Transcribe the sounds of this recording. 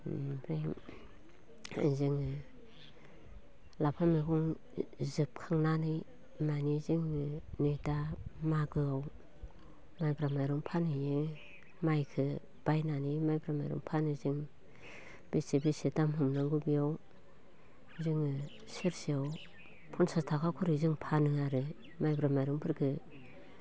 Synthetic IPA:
pʰɾeŋ | a̰ziŋɯ | lapʰamikʰɔŋ | zɯp̚kʰaŋnanɯj | maniziŋɯnɯtamaɡɯaw | majpɾamajɾɔŋpʰanɯjɯ | majkʰɯ | b̥ajnanɯjmajbɾama̰jɾɔ̰ŋpʰanɯzɯŋ | b̥isibisitamɦɯmnaŋɡubijaw | ziŋɯ | sɯɾsiaw | pʰunsastʰakʰakʰuɾizɯŋpʰanɯaɾɯ | majbɾamajɾɯŋpʰɯɾkʰɯ

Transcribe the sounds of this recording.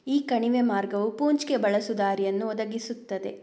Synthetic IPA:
iːkɐɳiʋemaːɾɡɐʋupuːɲt͡ʃkebɐɭɐsud̪aːɾijɐnːuɔd̪ɐɡisut̪ːɐd̪e̞̰

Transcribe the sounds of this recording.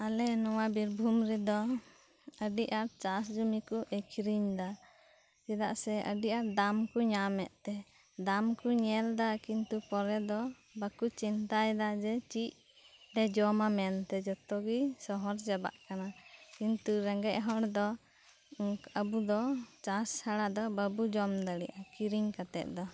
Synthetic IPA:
alɛnɔwabiɾbʱumɾɛd̪ɔ | əɖiʔaɾt͡ʃas̬d͡ʒumikuʔekʰɾiɲd̪a | sid̪a̰ʔsɛʔə̰ɖiʔaɾd̪amkuɲamɛ̰ʔ̪t̪ɛ | d̪amkuɲɛld̪akint̪upɔɾɛd̪ɔ | bakut͡ʃint̪ajd̪ad͡ʒɛt͡ʃic̚ | ɖɛd͡ʒɔmamɛnt̪ɛd͡ʒɔt̪ɔɡisɔɦɔɾd͡ʒɛba̰ʔkanakint̪uɾɛŋɡɛʔ̚ɦɔɽd̪ɔ | əbud̪ɔt͡ʃashaɽad̪ɔbəbud͡ʒɔmd̪aɽḭʔakiɾiɲkat̪ɛ̰ʔ̪̚d̪ɔ

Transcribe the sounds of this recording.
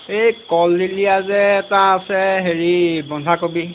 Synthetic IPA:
ejkɔldilijazɛːtaːsɛɦeɹibɔndʱakobi

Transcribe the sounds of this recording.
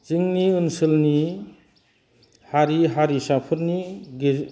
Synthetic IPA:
z̥ɯŋniɯnsɯlni | haɾiɦaɾisapʰɯɾniɡe

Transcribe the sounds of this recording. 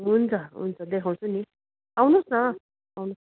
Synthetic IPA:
ɦunt͡saɦṵnt͡sʌd̪ekʰaw̃suni | awnusna | awnu

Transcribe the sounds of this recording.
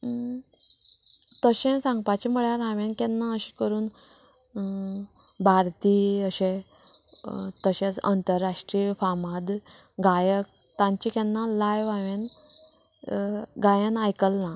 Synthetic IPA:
t̪əɕẽsãŋɡpat͡ɕiməɭjaɾãʋẽnkɛnːaəɕi̥kəɾuːn | bʱaɾt̪iːəɕẽ | t̪əɕẽt͡sə̰nt̪əɾːaʂʈɾifamad̪ | ɡajək̚ | t̪ãɲt͡ɕikɛnːalajʋaʋen | ɡajə̃najkəlna

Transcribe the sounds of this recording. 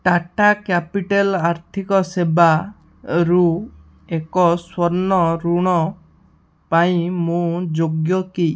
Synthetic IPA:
ʈaʈakapiʈelaɾt̪ʰikɔseba | ɾu | ekɔswɔɾnɔɾuɽ̃ɔ | paĩmũd͡ʒoɡjɔki

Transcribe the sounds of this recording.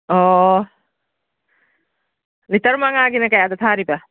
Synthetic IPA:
ɔ | litɐɾmaŋaɡinakajadat̪ʰaɾiba

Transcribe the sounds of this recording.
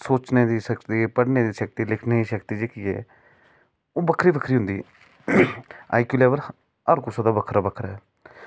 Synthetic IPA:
soːt͡ʃneːd̪iːʃəkt̪iːpəɽneːd̪iːʃək̚t̪iːlɪkʰneːiːʃəkt̪iːd͡ʒeːkiːɛ̰ː | oːbəkʰɾiːbəkʰɾiːɦʊ̃nd̪ḭː | a̰ːjkuːleːʋəɾ | əɾkusaːd̪aːbəkʰɾaːbəkʰɾɛː

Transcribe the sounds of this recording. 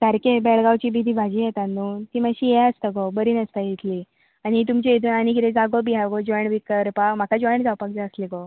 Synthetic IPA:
t̪əɾkebɛɭɡawt͡ɕiːbid̪ʱiːbʱad͡ʑiːjɛt̪anut̪iːməɕiːjɛəst̪əɡobəɾiːnəst̪ajit̪ʰli | añit̪̬umt͡ɕeet̪uːnanikiɾẽd͡zaɡobiɦaɡod͡ʑɔjɳbikəɾpam̤akad͡ʑɔjɳd͡zawpak̚d͡ʑaəsliɡo

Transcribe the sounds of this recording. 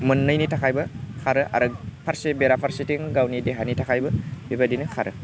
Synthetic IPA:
mɯnːɯjnitʰakʰajbɯkʰaɾɯʔa̰ɾɯpʰaɾsebeɾapʰaɾsitiŋɡawnideɦanitʰakʰajbɯbibadinɯkʰaɾɯ

